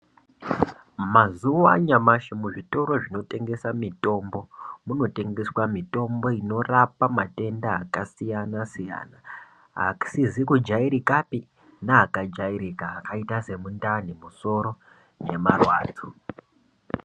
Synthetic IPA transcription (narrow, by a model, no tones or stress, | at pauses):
mazuoa̰ɲamaʃemuʐito̞ɾo̞ʐino̞te̞ŋɡe̞samito̞mbo̞muno̞te̞ŋɡe̞swamito̞mbo̞ino̞rapamate̞ndaːkasijanasija̰na | ɦa̰ksizikud͡ʒaiɾikapi | naakad͡ʒaiɾikaːkaitase̞mundanimuso̞ɾo̞ | je̞marwa̰ːd͡zʰo